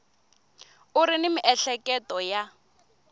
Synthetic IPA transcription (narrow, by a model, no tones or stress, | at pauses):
ʊɾɪnɪmɪʔɛɬɛkɛtɔja